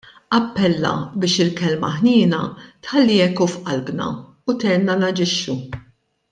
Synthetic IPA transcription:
ɐpːɛlːɐ̰bɪːʃɪlkɛlmɐ̰ħnɪːnɐt̪ħɐlːiːɛkufʔɐlbnɐ̰ | ut̪ɛnɐnɐd͡ʒɪʃːu

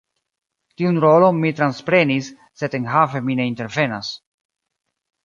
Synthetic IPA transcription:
tiunɾo̞lo̞nmitɾanspɾe̞nisː | e̞denɦafe̞mine̞inte̞ɾve̞nas

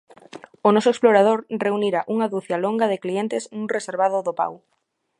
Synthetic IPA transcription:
onɔsoeksploɾað̞oɾreuniɾaʔuŋaðuθjaloŋɡaðɪklient̪ɪsnũŋreseɾβaðʊðopa̰w

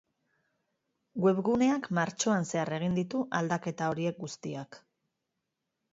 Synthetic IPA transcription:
ɡwe̞βɣune̞akmaɾt͡ʃo̞anse̞are̞ɣ̞ind̪it̪uʔald̪ake̞t̪ao̞ɾie̞k̚ɡust̪iak

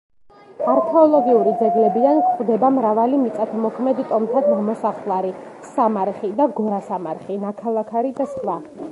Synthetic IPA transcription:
aɾkʰɛɔlˠɔɡiuɾid̪zɛɡlɛbiankχʼd̪ɛbamɾavalimit̪sʼat̪ʰɔmɔkʰmɛd̪ikʼɔmt̪ʰad̪namɔsaχlˠaɾi | samaɾχid̪aɡɔɾasamaɾχinakʰalˠakʰaɾid̪askʼla

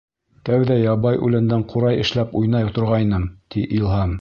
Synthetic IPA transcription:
t̪æwðæjɑβɑjʔʉ̰læ̆nd̪æɴqʰuɾɑjɘ̆ʃlæpujnɑjt̪ŏɾʁɑjnɤmt̪iʔilˠhɑm

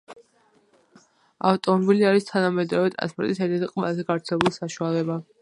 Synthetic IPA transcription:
a̰ft̪ʼɔmɔbiliaɾist̪ʰanamɛd̪ɾɔvɛt̪ʼɾa̰nspʼɔɾt̪ʼisɛɾt̪ʰɛt̪ʰiqʼma̰zɛɡavɾt̪sʰɛlɛbulˠsaʃualɛba

